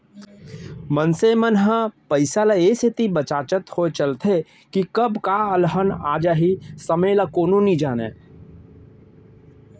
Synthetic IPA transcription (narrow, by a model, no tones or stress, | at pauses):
mənseːmənɦəpəɪsalajesɪt̪ibət͡ʃaːt͡ʃət̪hoet͡ʃəlt̪ʰe | kikəbkaəlɦəna̰ːd͡ʒaɦisəmelakoːnõnĩd͡ʒaːnḛː